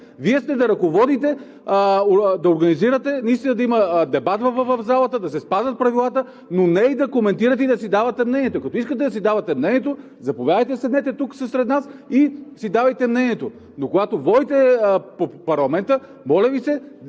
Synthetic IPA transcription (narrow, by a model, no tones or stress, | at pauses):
viɛst̪ɛd̪ɐɾɐkovɔd̪it̪ɛ | d̪ɐoɾɡɐniziɾət̪ɛnɐist̪inɐd̪ɐiməd̪ɛbat̪vəvəvɐvzalˠɐt̪əd̪ɐsɛspazɐt̪̚pɾɐvilˠat̪ə | nonɛid̪ɐkomɛnt̪iɾət̪ɛid̪ɐsid̪avɐt̪ɛmnɛniɛt̪okɐt̪ɔiskət̪ɛd̪ɐsid̪avɐt̪ɛmnɛniɛt̪o | zɐpovʲjavəjt̪̬ɛsɛd̪nɛt̪ɛt̪uksəsɾɛd̪nasisid̪avɐjt̪ɛmnɛniɛt̪o | nokoɡat̪ovɔd̪it̪ɛpopɐɾlˠɐmɛnt̪ə | mɔlʲɛvisɛ